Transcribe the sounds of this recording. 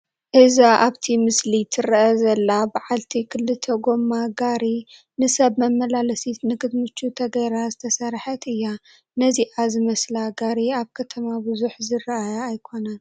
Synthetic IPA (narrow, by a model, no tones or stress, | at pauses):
ʔɨzaʔaβt̪ʰimɨslit̪ʰɨɾʔɐzɐlːabaʕalt̪ʰikʰɨlːɨt̪ʰɐɡo̞mːaɡaɾi | nɨsɐβmɐmːɐlalɐsit̪nɨkʰɨd̪mɨt͡ʃːut̪ʰɐɡɐjɾazɨt̪ʰɐsɐɾħɐt̪ɨjːa | nɐziʔazɨmɐslaɡaɾiaβkʰɐt̪ʰɐmabɨzuħzɨrɐʔajaːjkʰo̞nan